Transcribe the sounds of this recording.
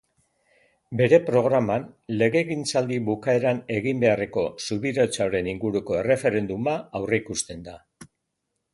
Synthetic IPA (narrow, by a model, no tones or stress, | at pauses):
be̞ɾe̞pɾo̞ɣ̞ɾamanle̞ɣe̞ɣint͡sald̪iβukae̞ɾane̞ɣimbe̞are̞ko̞suβiɾot͡saoɾe̞niŋɡuɾuko̞e̞re̞fe̞ɾe̞nd̪umaawreikust̪e̞nd̪a